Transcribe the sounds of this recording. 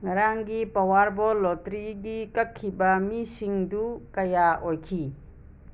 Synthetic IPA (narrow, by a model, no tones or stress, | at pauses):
ŋɐɾaŋɡipɐwaɾbɔlɔtɾiɡikɐkʰːibɐmisiŋdukɐjaʔojkʰi